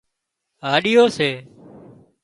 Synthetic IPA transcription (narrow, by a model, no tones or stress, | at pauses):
ɦaːɗɪjoːseː